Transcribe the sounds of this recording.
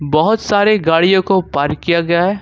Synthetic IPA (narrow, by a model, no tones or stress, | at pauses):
bɐɦʊt̪saːɾeɡaːɽijõkopaːɾkːijaɡɐjaɦɛː